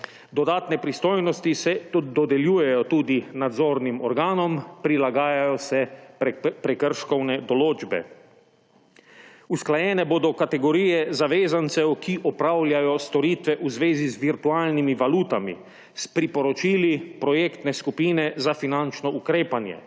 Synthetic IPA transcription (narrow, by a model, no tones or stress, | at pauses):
d̪ɔd̪aːt̪nɛpɾist̪oːjnɔst̪isɛt̪d̪ɔd̪ɛljuːjɛjɔt̪uːd̪inad̪zoːɾnimɔɾɡaːnɔmpɾilaɡaːjajɔsɛ | pɾɛkəɾʃkɔwnɛd̪ɔloːd͡ʒbɛ̰ | usklajɛːnɛboːd̪ɔkat̪ɛɡɔɾiːjɛzaʋeːzant̪sɛwkʰiʔɔpɾawljajɔst̪ɔɾiːt̪ʋɛʔuzʋeːzizʋiɾt̪uaːlnimiʋaluːt̪amḭ | spɾipɔɾɔt͡ʃiːlipɾɔjekt̪nɛskupiːnɛzafinant͡ʃnɔʔukɾeːpanjɛ̰